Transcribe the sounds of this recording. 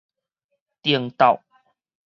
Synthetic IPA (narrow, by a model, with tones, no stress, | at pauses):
t̪i˧əŋt̪a˥˨˩w